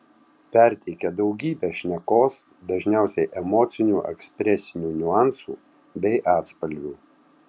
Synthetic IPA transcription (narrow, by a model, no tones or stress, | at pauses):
pʲɛɾʲt̪ʲɛɪkʲɛd̪ɒʊɡʲiːbʲeːʃʲnʲɛkoːs | d̪ɐʒʲnʲæˑʊsʲɛɪʔɛmɔːt̪sʲɪnʲuːʔɛ̰ksʲpʲɾʲɛsʲɪnʲuːnʲʊɑˑnsṵː | bʲɛɪʔɑːt̪spɐlʲɡʲuː